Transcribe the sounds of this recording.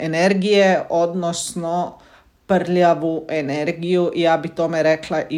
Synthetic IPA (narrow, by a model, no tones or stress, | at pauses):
ɛnɛɾɡijɛʔod̪nɔsnɔ | pəɾljaʋuʔɛnɛɾɡijuʔijaːbit̪oːmɛɾɛklaʔi